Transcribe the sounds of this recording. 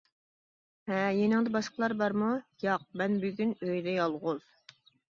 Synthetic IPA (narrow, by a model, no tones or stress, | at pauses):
ɛjenɪŋd̪ɛbɑʃqəlˠɑɾbɑɾmujɑq̚mɛnbyɡʲynøjd̪ɛjɑlˠʁʊz̥